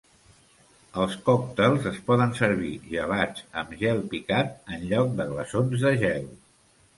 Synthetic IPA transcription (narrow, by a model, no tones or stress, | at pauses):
əlˠskɔk̚t̪əlˠzəspɔðənsəɾβiʒəβad͡zəmʒɛlˠpikat̪̚ənʎɔk̚d̪əɣləsonzðəʒɛlˠ